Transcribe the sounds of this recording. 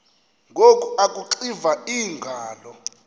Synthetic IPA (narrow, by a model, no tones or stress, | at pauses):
ŋɡʱokʼuakʼuǃivaiːŋɡʱaːlɔ